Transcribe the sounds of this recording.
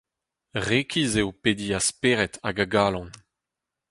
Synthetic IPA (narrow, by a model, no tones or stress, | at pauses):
ʁeːkʰizewped̪iaspeːʁɛtaɡaɡaːlɑ̃n